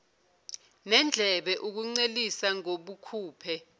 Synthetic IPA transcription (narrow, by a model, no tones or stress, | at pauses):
nɛnd͡ɮʱɛɓɛʔuk̬uŋ͡ǀelisaŋoɓukʰuːpʰɛ